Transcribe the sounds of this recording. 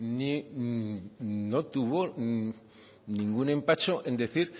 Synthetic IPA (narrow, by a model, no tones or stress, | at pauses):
ni | no̞t̪uβo̞ | nĩŋɡune̞mpat͡ʃo̞ʔẽ̞nd̪eθiɾ